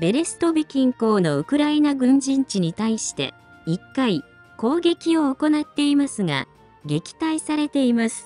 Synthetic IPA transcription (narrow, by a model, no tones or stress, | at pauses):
be̞ɾe̞sɨ̥t̪o̞bʲikʲĩŋko̞ːno̞ɯ̟kɯ̟ɾainaɡɯ̟̃ɲ̟d͡ʑĩɲt͡ɕiɲ̟it̪aiɕi̥t̪e̞̰ | ikːai | ko̞ːɡe̞kʲio̞ːko̞nat̪ːe̞imasɨŋa̰ | ɡe̞kʲi̥t̪aisaɾe̞t̪e̞imasɨ̥